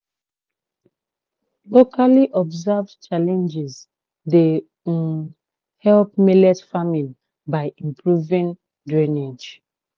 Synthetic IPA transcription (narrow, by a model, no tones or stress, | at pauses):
lokʰaliʔɔbzavt͡ʃalɛ̃nd͡ʒiz | de | hɛlp̚milɛtfamĩn | baɪĩmpʰɹuvĩn | dɹɛned͡ʒ